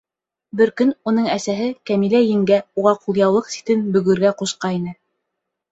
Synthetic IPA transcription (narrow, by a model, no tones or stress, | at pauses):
bɘɾkɵnunɤɴæsæɦɘkæmilæjɘ̆ŋɡæuʁɑqulˠjɑwlˠɤqsi̥t̪ɘnbɵ̆ɣɵ̆ɾɡæquʃqɑinɘ